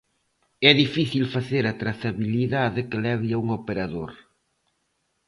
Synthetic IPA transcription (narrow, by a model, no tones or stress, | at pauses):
ɛðifiθilfaθeɾat̪ɾaθaβiliðaðɪkɪlɛβiauŋopeɾaðoɾ